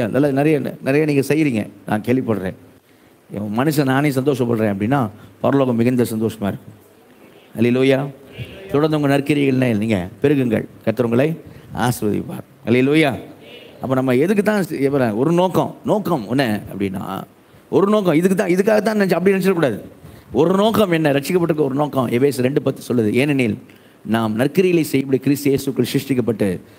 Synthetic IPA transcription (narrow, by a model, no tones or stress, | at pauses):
anɐ̰lːaːnɪɾɐjɐ̰nɪɾɐjaniːŋɡɐsɛjːɪɾiːŋɡɐ̰nʔãːkeːɭʋɪpːɐɽɾḛ̃ː | mɐnɯs̬naːnẽs̬ɐnd̪oːʂɐmpɐɽɾẽːɐp̬ːɐɽɪnːaːpɐɾɐloːɣɐmːɪɣɐnd̪ɐsɐnd̪oːʂɐmaːɪɾɯkːɯ̃m | hɐleluːjaːt̪ʊɽɐnd̪ɐʊŋɡɐnɐɾkɪɾɪɣɐɭnɐniːŋɡɐ̰pɛɾɯɣɯŋɡɐ̰ɭkɐt̪ːɯɾɐŋɡɐɭɐɪa̰ːsɾɐðɪ̰pːa̰ːɾ | hɐleluːjaːʔɐpːoːnɐmːɐɛðɯk̬ːɯt̪ːãːɛpːɐɾaːɔɾɯnoːkɐ̰̃noːkɐmɔnːɐɐpːɐɽɪnːã̰ː | ɔɾɯnoːkɐ̃ɪðɯkːɯt̪ːãːɪðɯkːaːɣɐt̪̬ːãːnɛt͡ʃːɐpɐɽinɛnɛt͡ʃːɪlɐkuːɽaːðɯɔɾɯnoːkɐmɛnːɐɾɐʈt͡ʃːɪkːɐpːɐʈːɯɾɯk̬ːɯɔɾɯnoːkːɐ̃mʔɛbeːsɐɾɛɳɖɯpɐt̪ːɯ̥sɔlːɐðɯeːnɛniːl | naːmnɐɾkːɪɾɪɣɐlɐɪsɛjːɐp̬ːɐɽikɪɾɪst̪jeːsɯʋkːɐɭsɾɪʂʈɪk̬ːɐpːɐʈːɯ